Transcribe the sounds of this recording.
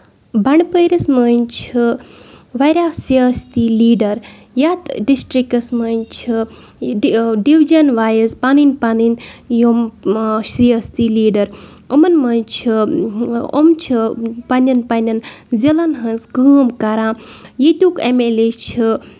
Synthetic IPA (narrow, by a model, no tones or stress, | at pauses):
bɐɳpəjɾɐsmənt͡ʃʰɨ | ʋɐjɾʲasiɐst̪iliːɖɐɾ | jat̪ɖisʈɾikɐsmɐnʲt͡ʃʰi | ɖiʋid͡ʒɐnʋaːjɐspaninʲpaninjomʃɾiɐst̪iliːɖɐɾ | ɐmɐnmɐnt͡ʃʰɨ | o̰mt͡ʃʰɨpɐnʲɐnpɐnʲɐnzilɐnɦɐnsɡɨmkaɾãːjet̪ʲuːkemelet͡ʃʰɨ